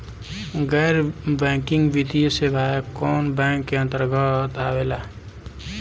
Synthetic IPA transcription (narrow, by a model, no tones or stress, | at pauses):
ɡɛːɾbɛ̃ːkɪ̃ŋɡʋit̪ijsebʱaːekɔːnbɛ̃ːkːeə̃nt̪əɾɡət̪aːʋelaː